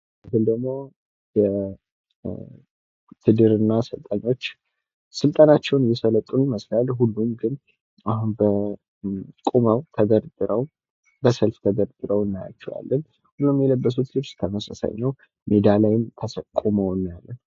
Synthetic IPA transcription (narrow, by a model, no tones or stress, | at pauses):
ɨɡɨld̪əɡmo̞ | jɛ | t̪ʰɨd̪ɨɾɨnːasɨlt̪ʼaɲːo̞t͡ʃː | sɨlt̪ʼanat͡ʃːɛwnjːɛsələt̪ʼːunməslalɦulːumɡɨn | ahunbə | kʼuməwt̪ʰəɡ̪əɾt̪ʼɨɾəw | bəsəlft̪ʰəd̪əɾt̪ʼɨɾəwɨnːaja̰t͡ʃːɛwa̰lːən | hulːumjɛləbːəs̬ut̪lɨbst̪ʰəməsəsa̰jnəw | med̪alajɪmt̪ʰəsəkʼːuməwnːjalːən